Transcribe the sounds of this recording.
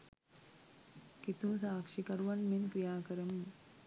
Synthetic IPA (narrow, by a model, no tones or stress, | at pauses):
kit̪ũːsaːkʂikɐɾʋɐnminkɾijaːkɐɾəm